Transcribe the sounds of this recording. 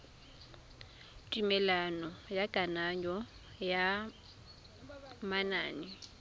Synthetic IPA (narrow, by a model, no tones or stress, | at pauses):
tʼimɛlanɔjaɡʼanaɲɔ | ja | manaːnɛ